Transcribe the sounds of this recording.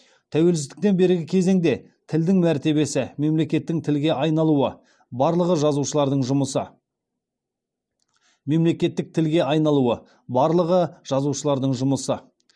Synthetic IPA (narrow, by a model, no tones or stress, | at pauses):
t̪ʰæwe̞lsɪzd̪ɪk̚t̪e̞nbe̞ɾɪɡʲɪkʲʰe̞ze̞ŋd̪e̞ | t̪ʰɪld̪ɪŋmæɾt̪e̞βe̞sɪme̞mle̞kʲe̞t̪ːɪŋt̪ʰɪlɡʲe̞ʔɑjnɑlˠuə | bɑɾlˠəʁəʒɑzuʃəlˠɑɾd̪əɴʒʊməsə̰ | me̞mle̞kʲe̞t̪ːɪk̚t̪ʰɪlɡʲe̞ɑjnɑlˠuə | bɑɾlˠəʁəʒ̥ɑzuʃəlˠɑɾd̪əɴʒʊməsə